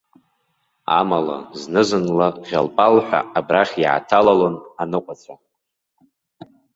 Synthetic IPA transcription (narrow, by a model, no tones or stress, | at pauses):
a̰mala̰znɨzɨnlaʁʲalpʼalħʷᶣa̰abraχʲjʕa̰tʰalalonanɨqʷʼat͡sʷʰa